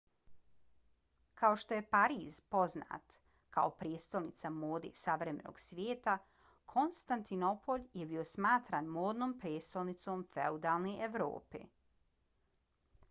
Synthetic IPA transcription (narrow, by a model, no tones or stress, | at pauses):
kʰao̞ʃt̪o̞je̞paɾiːzpo̞zna̰ːt̪ | kaopɾjest̪olnit̪samoːd̪ḛsaʋɾeme̞̰no̰ɡ̥sʋʲjeːt̪a | kʰo̞nst̪ant̪ino̞po̞ʎjebio̞smaːt̪ɾanmoːd̪noːmpɾjeːt̪st̪olnit̪somfḛud̪aːlˠneʔeʋɾo̰ːpḛː